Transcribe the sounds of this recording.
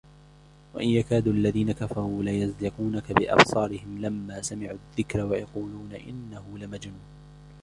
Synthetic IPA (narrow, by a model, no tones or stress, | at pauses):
waʔɪnjakaːd̪uːʔalːaðiːnakafɑɾˤuːlajazd̪ɪquːnakabɪʔɑ̰bsˤɑːɾɪhɪmlamːaːsamɪʕuːaðːɪkɾawajɑquːluːnaʔɪ̰nːahʊlɪmad͡ʒnuːn